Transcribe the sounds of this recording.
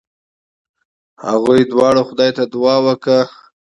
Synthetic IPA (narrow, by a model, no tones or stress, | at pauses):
haɣujd̪wɑɽoxʊd̪ɑjt̪ad̪ʊwɑwəkə